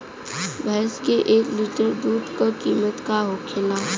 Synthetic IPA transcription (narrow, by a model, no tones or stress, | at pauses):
bʱəskeʔeːkliʈəɾd̪uːɖkokiːmət̪kaɦokʰɪla